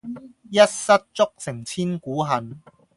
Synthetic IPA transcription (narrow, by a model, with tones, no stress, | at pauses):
jɐ˥t̚sɐ˥t̚t͡sʊ˥k̚sɪ˨˩ŋt͡sʰiː˥nkuː˨˥ɦɐ˨n